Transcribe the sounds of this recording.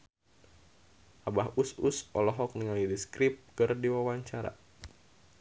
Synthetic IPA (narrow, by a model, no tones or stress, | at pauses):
ʔabahususɔlɔɦɔk̚niŋalidiskɾip̚kɨrdiwawaɲt͡ʃaɾa̰